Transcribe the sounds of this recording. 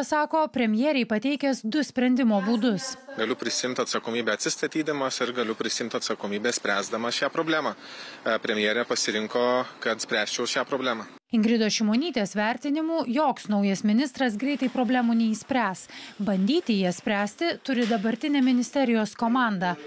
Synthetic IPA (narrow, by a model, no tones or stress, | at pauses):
sɑːkoːpʲɾʲɛmʲjɛːɾʲɛɪpɐt̪ʲɛɪkʲɛsd̪ʊsʲpʲɾʲɛnʲd̪ʲɪmoːbuːd̪ʊsɡɐlʲʊpʲɾʲɪsʲɪjɪmʲt̪ʲɐt̪sɐkoːmʲiːbʲɛːɐt̪sʲɪst̪ɐt̪ʲiːd̪ɐmɐsɪɾɡɐlʲʊpʲɾʲɪsʲɪjɪmʲt̪ʲɐt̪sɐkoːmʲiːbʲeːsʲpʲɾʲæːzd̪ɐmɐʃʲæːpɾoːbʲlʲæːmɑːpʲɾʲɛmʲɪjeːɾʲɛpɐsʲɪɾʲɪŋkoːkɐt̪sʲpʲɾʲæːsʲt͡ʃʲɛʊʃʲæːpɾoːbʲlʲæːmɐː | ɪŋɡɾʲɪd̪oːʃʲɪmoːnʲiːt̪ʲeːsʋʲæˑɾʲt̪ʲɪnʲɪmuːjoːksnɒʊjɐsmʲɪnʲɪst̪ɾɐsɡɾʲɛɪt̪ɐɪpɾoːbʲlʲæːmuːnʲɛiːsʲpʲɾʲæːsbɐnʲd̪ʲiːt̪ʲɪjiɛsʲpʲɾʲæːsʲt̪ʲɪt̪ʊɾʲɪd̪ɐbɐɾʲt̪ʲɪnʲɛːmʲɪnʲɪsʲt̪ʲɛɾʲɪjoːskoːmɑːˑnd̪ɑː